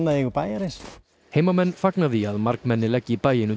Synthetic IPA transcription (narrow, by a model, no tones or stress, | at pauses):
nːaðɪɣupajaɾɪs | hejmamɛnfaknaðiaðmaɾkmɛnːɪlɛcːɪpajɪnu